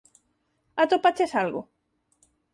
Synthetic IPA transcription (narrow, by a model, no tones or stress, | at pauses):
at̪opat͡ʃesalɣo̰